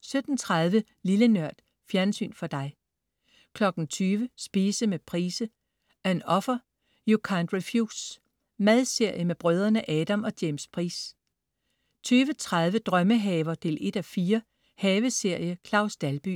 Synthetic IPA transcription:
sød̥n̩t͡sʰʁaðˠʋə | lilənɶɐ̰d̥ | fjæɐnsy̰ːnfɒ̽d̥ɑ̈ɪ | kʰlɒ̽ɡ̥n̩t͡sʰyːʋəsb̥iːsəmepʰʁiːsə | æɐe̝nɒ̽fɐ | jukʰænd̥ʁifjuːs | mæð̞ˠse̝ɐ̰jəmeb̥ʁœːðˠʁɐnəʔɛːd̥æmɒ̽d̥jeːmspʰʁḭːs | t͡sʰyːʋət͡sʰʁað̞ˠʋəd̥ʁɶməɦɛːʋɐd̥e̝le̝d̥æfiːɐ | hɛːʋəse̝ɐ̰jəkʰlɑ̈ʊsd̥ælb̥y̰ː

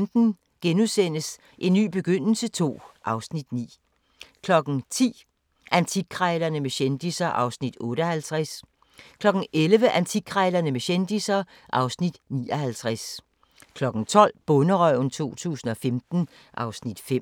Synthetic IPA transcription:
md̥n̩ | ɡ̥enusen̰əs | ʔe̝nːy̰ːb̥e̝ɡ̥øn̰l̩sət͡sʰo̝̰ːʔɑ̈ʊsnid̥nḭː | kʰlɒ̽ɡ̥n̩t͡sʰḭː | ʔænt͡sʰiɡ̥ʰʁaɪlɐnəmeɕend̥isɐʔɑ̈ʊsnid̥ɔ̽ːɾ̥əɒhælt͡sʰʁæs | kʰlɒ̽ɡ̥n̩ʔelʋəʔænt͡sʰiɡ̥ʰʁɛɪlɐnəmeɕend̥isɐ | ʔɑ̈ʊsnid̥nḭːɒ̽ɦælt͡sʰʁas | kʰlɒ̽ɡ̥n̩t͡sʰɒ̽l̰b̥ɔ̽nəʁœʊ̰n̩t͡sʰo̝̰ːt͡sʰṵːsn̩ɒ̽femd̥n̩ | ʔɑ̈ʊsnid̥fem̰

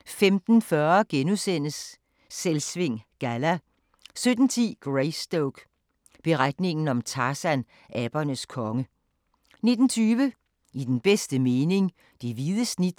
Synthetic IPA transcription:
femd̥n̩fɶɐɡ̥enusen̰əsː | elsʋe̝ŋ̰ɡ̥ælæ | sød̥n̩t͡sʰḭːɡ̥ʁeɪsd̥oʊɡ̥ | b̥e̝ʁad̥ne̝ŋn̩ɒ̽mt͡sʰɑsæn | ʔæb̥ɐnəskʰɒ̽ŋə | ne̝d̥n̩t͡sʰyːʋə | id̥enb̥esd̥əme̝ːne̝ŋ | d̥eʋiðˠəsnid̥

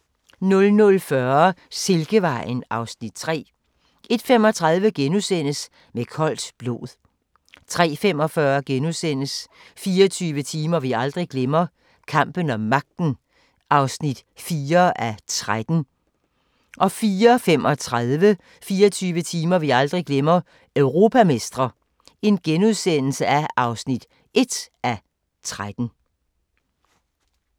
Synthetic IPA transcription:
nɔ̽lnɔ̽lfɶɐse̝lɡ̥əʋɑ̈ɪ̰nɑ̈ʊsnid̥̚t͡sʰʁɛ̰ː | ʔe̝d̥femɒ̽t͡sʰʁɑ̈ð̞ˠʋəɡ̥enusen̰əs | mekʰɒ̽l̰d̥b̥lo̝̰ːðˠ | t͡sʰʁɛ̰ːfem̰ɒ̽fɶːɐɡ̥enusen̰əs | fiːɐt͡sʰyːʋət͡sʰiːmɐʋiɑ̈ld̥ʁiɡ̥lemɐ | kʰɑ̈m̰b̥ənɒ̽mːɑ̈ɡ̥̚d̥n̩ | ʔɑ̈ʊsnid̥fiːɐʔæt͡sʰʁad̥n̩ | ʔɒ̽fiːɐfem̰ʔɒ̽t͡sʰʁaðˠʋə | fiːɐt͡sʰyːʋət͡sʰiːmɐʋiɑ̈ld̥ʁiɡ̥lemɐ | øʊʁo̝ːpʰæme̝sd̥ʁɐ | e̝nɡ̥enuð̞ˠsen̰l̩səæʔɑ̈ʊsnid̥ | e̝d̥ʔæ | t͡sʰʁad̥n̩

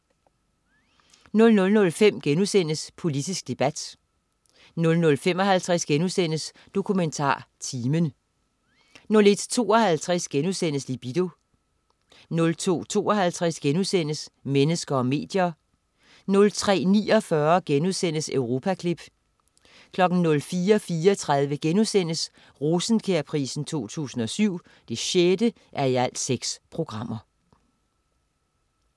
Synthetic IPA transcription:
nɔ̽lnɔ̽lnɔ̽lfem̰ɡ̥enusen̰əspʰo̝lid̥isɡ̥̚d̥e̝b̥æd̥ | nɔ̽lnɔ̽lfem̰ɒ̽ɦælt͡sʰʁɛsɡ̥enusen̰əs | d̥o̝kʰument͡sʰɑ̰̈ːt͡sʰiːmən | nɔ̽le̝d̥t͡sʰo̝̰ːɒ̽hælt͡sʰʁɛsɡ̥enusen̰əslib̥id̥o̝ | nɔ̽lt͡sʰo̝̰ːt͡sʰo̝̰ːɒ̽ɦælt͡sʰʁasɡ̥enusen̰əsmenəsɡ̥ɐɒ̽me̝̰ːd̥jɐ | nɔ̽lt͡sʰʁɛ̰ːnḭːɒ̽fɶɐɡ̥enuðˠsen̰əsøʊʁo̝ːpʰækʰlib̥ | kʰlɒ̽ɡ̥n̩nɔ̽lfiːɐɒ̽fiːɐɒt͡sʰʁað̞ˠʋəɡ̥enusen̰əs | ʁusn̩kʰeɐpʰʁḭːsn̩t͡sʰo̝̰ːt͡sʰṵːsn̩ɒ̽syʊ̰ | d̥e̝ɕed̥ə | ʔæɐiæl̰d̥seɡ̥spʰʁo̝ɡ̥ʁɑ̈m̰ɐ

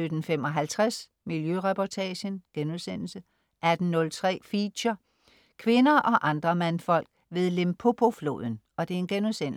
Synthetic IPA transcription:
ød̥n̩fem̰ɒ̽ɦælt͡sʰʁas | miljøʁɛpʰɒt͡sʰɛɕənɡ̥enuðˠsen̰l̩sə | ʔæd̥n̩ːɔ̽lt͡sʰʁɛ̰ːfiɕɐ | kʰʋe̝nɐʔɒ̽ʔɑ̈nd̥ʁɐmænfɒ̽l̰ɡ̥ | ʋe̝ð̞ˠlempʰo̝pʰo̝flo̝̰ːð̞̰ˠn̩ | ɒ̽d̥e̝e̝nɡ̥enusen̰

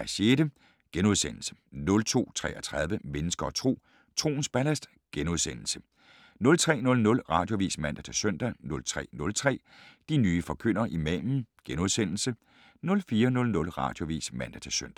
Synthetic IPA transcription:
æɕeːd̥ə | ɡ̥enuðˠsen̰l̩sə̥ | nɔ̽lt͡sʰo̝̰ːt͡sʰʁɛ̰ːæt͡sʰʁɑð̞ˠʋəmenəsɡ̥ɐɒt͡sʰʁo̝̰ː | t͡sʰʁo̝̰ːn̩sb̥ælæsd̥ | ɡ̥enuðˠsen̰l̩sə̥ | nɔ̽lt͡sʰʁɛ̰ːnɔ̽lnɔ̽lʁɑ̈d̥jo̝ʋḭːsmæn̰d̥æt͡sʰæsøn̰d̥ænɔ̽lt͡sʰʁɛ̰ːnɔ̽lt͡sʰʁɛ̰ː | d̥inyːfɒ̽kʰøn̰ɐʔimɛ̰ːmn̩ɡ̥enuð̞ˠsen̰l̩sə | nɔ̽lfiːɐnɔ̽lnɔ̽lʁɑ̈ːd̥jo̝ʋḭːsmæn̰d̥æt͡sʰæsøn̰d̥æ

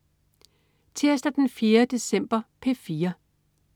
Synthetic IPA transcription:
t͡sʰe̝ɐsd̥ɐd̥enfje̝ːɐd̥e̝sem̰b̥ɐpʰefiːɐ

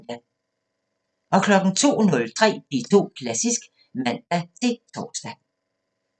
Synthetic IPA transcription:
æ | ʔɒ̽kʰlɒ̽ɡ̥n̩t͡sʰo̝̰ːnɔ̽lt͡sʰʁɛ̰ːb̥it͡sʰo̝̰ːkʰlæsisɡ̥ | mæn̰d̥æt͡sʰe̝t͡sʰɒ̥ːsd̥æ

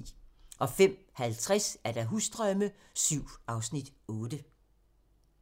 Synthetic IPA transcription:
ʔɒ̽fem̰hælt͡sʰʁasæɐɾ̥æ̈ɦusd̥ʁœməsyʊ̰ɑ̈ʊsnid̥ɔ̽ːd̥ə

